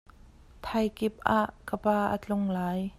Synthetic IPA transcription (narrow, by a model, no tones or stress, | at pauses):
t̪ʰɐjkɪp̚ʔaːʔkəpaːʔə̰t͡ɬʊŋlaːj